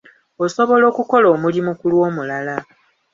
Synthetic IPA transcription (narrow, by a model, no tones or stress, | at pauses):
oso̞βo̞lo̞ːkuko̞lo̞ːmulimukulwo̞ːmulala